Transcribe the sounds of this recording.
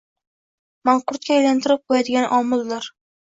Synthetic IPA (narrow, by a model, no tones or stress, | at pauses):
maɴqʊɾt̪̚kʲaːjlant̪ʰɪɾɪp̚qʰojad̪ɪɡʲanʔɒmɪlːɪɾ